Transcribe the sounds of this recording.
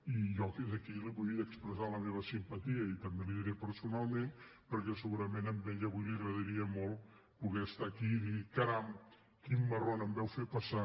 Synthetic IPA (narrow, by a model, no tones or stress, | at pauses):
iʒɔtezəkiliβujðəkspɾəzaləmeβəsimpət̪iəit̪əmbeliðiɾɛpəɾsunalˠmenpəɾkɛsəɣuɾəmenəmbɛʎəβujliəɣɾəðəɾiəmolˠ | puɣɛəst̪akiðikaɾam | kimːəronəmbɛwfepɐsa